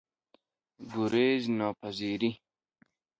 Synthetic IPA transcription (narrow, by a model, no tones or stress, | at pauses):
ɡuɾeːznɔːpɐziːɾi